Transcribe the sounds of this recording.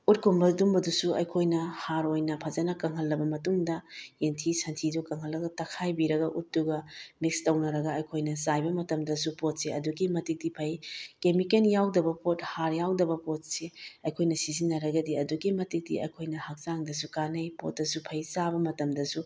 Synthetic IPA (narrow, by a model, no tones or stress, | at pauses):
ut̚kʰumbɐdumbɐdusuɐ̰jkʰojnɐhaɾojnɐpʰɐzɐnɐkɐŋɦɐlːɐbɐmɐtuŋdɐentʰisɐntʰidukɐŋɦɐlːɐɡɐtɐkʰajbiɾɐɡɐʔut̚ːuɡɐmikstɐwnɐɾɐɡɐɐjkʰojnɐsajbɐmɐtɐmdɐsupot̚seɐduɡimɐtik̚dipʰɐjkemikenjawdɐbɐpot̚haɾjawdɐbɐpot̚seɐjkʰojnɐsizinːɐɾɐɡɐdiɐduɡimɐtik̚dḭɐ̰jkʰojnɐhɐk̚zaŋdɐsukanɐjpo̰t̚dɐsupʰɐjsabɐmɐtɐmdɐsu